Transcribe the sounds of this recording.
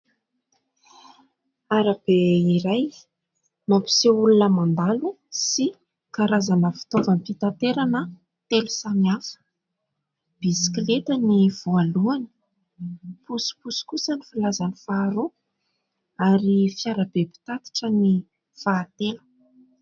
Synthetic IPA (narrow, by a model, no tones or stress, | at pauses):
aɾab̥eiɾaj | mapi̥seulunəmand̪alu | si | kaɾazanəfi̥t̪ovanipit̪ant̪eɾanə | t̪elusamiafə̥ | b̥isi̥klet̪əniv̥oaluani̥ | pusi̥pusi̥kusənifilazanifaːɾo | aɾifiaɾabepi̥t̪at̪i̥ʈ͡ʂəni | faːt̪elə̥